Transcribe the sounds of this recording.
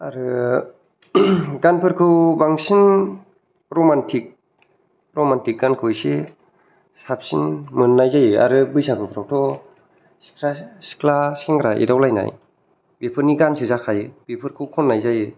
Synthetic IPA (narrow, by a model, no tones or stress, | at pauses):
aɾɯ | ɡanpʰɯɾkʰɯwbaŋsin | pɾomantʰik̚ | pɾɔmantik̚ɡankʰɯjse | sap̚sinmɯnːajzajea̰ɾɯbɯjsakʰɯpʰɾawtʰɔ | si̥kʰɾasi̥kʰlasiŋɡɾaʔḛdawlajna̰j | bepʰɯɾniɡansizakʰajbipʰɯɾkʰɯwkʰɔnːajzaje